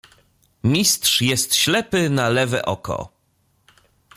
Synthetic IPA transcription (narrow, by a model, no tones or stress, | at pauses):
mʲist̪ʂjɛst̪ɕlɛpɘnalɛvɛ̰ʔɔkɔ̰